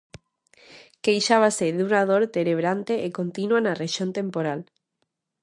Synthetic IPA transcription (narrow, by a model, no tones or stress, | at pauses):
kejʃaβ̞aseðunaðoɾt̪eɾeβ̞ɾant̪eʔekont̪inwanareʃjont̪ẽmpoɾal